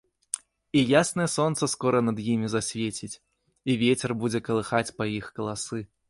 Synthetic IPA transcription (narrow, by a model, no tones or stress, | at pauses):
ijasnɐjɛsɔnt̪sɐskɔɾɐnɐd̪jimʲizasʲvʲet͡sʲit͡sʲ | ivʲet͡sʲɛrbud͡zʲɛkɐlˠɨxat͡sʲpɐjixkɐlˠasɨ